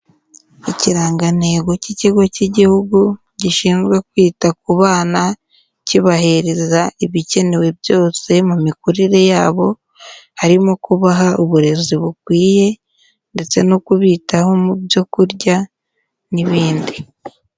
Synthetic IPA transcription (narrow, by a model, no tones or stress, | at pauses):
iciɾaːŋɡane̞ɡo̞ciciɡo̞ciɟihuɡu | ɟiʃiːnzɡwe̞k̚wiːtak̚uβaːna | ciβaɦeɾezaiβice̞ne̞we̞bjo̞ːse̞mumikuɾiɾe̞jaːβo̞ | haɾimo̞kuβaɦauβuɾe̞ziβukwiːje̞ | nde̞t͡se̞nokuβiːtaho̞mubjo̞kuɾɟa | niβiːndi